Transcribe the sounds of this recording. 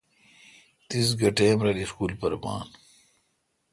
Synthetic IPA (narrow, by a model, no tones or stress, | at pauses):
t̪is̬ɡɐʈeːmɾɐliskuːlpɐɾma̰ːn